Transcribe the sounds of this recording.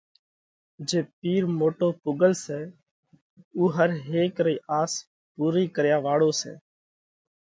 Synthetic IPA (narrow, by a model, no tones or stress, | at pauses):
d͡ʒeːpiːɾmoːʈoːpʊɡəlsɛː | uːɦəɾɦeːkɾəiːʔaːs | puːɾiːkəɾjaːʋaːɽoːsɛ̰ː